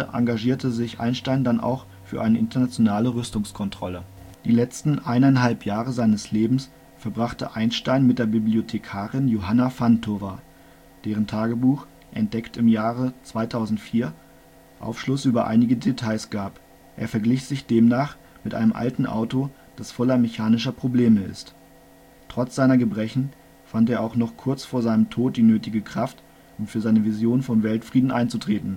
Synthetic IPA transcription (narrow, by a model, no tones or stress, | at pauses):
əʔa̰ŋɡaʒiːɐtʰəzɪçʔa̰ɪnʃtaɪndanʔa̰ʊx | fyːɐʔaɪnəʔɪntʰɐnat͡sjonaːləʁʏstʊŋskʰɔntʁ̥ɔlə | d̥iːlɛt͡stn̩ʔaɪnaɪnɦalpjaːʁəzaɪnəsleːbm̩s | fɛɐbʁaχtə̰ʔaɪnʃtaɪnmɪt̚d̥eːɐbibliotʰekʰaːʁɪnjoɦanafantʰova | d̥eːʁ̞əntʰaːɡəbuːx | ʔɛnt̚d̥ɛktɪmjaːʁət͡sv̥aɪtʰaʊzn̩tfiːɐ | ʔa̰ʊfʃlʊsʔyːbɐʔa̰ɪnɪɡədetʰaɪsɡ̥aːp | ʔḛːɐfɛɐɡlɪçz̥ɪçd̥eːmnaːχ | mɪtʔaɪnəmʔa̰ltn̩ʔa̰ʊto | d̥asfɔlɐmeçaːnɪʃɐpʁ̥obleːməɪ̰st | tʁ̥ɔt͡sz̥aɪnɐɡəbʁɛçn̩ | fanteːɐʔaʊxnɔχkʰʊɐt͡sfoːɐzaɪnəmtʰoːt̚d̥iːnøːtɪɡəkʁ̥aft | ʔʊmfyːɐzaɪnəvizjoːnfɔnvɛltfʁ̥iːdn̩ʔaɪnt͡sutʁ̥eːtn̩